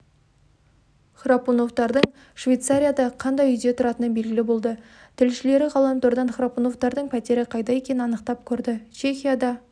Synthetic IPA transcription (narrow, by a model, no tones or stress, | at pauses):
χrapuno̞ft̪ɑɾd̪əɴ | ʃvʲejt̪saɾʲijad̪ɑqʰɑnd̪ɑjʏjd̪e̞t̪ʰʊɾɑt̪ənəbe̞lɡʲɪlɪbo̞lˠd̪ə | t̪ʰɪlʃɪle̞ɾɪʁɑlˠɑnt̪oɾd̪ɑnχrapuno̞ft̪ɑɾd̪əɴpʰæt̪e̞ɾɪqʰɑjd̪ɑje̞kʲe̞nɪnɑnəqt̪ɑp̚kʲʰɵɾd̪ɪt͡ʃʰe̞xʲijad̪ɑ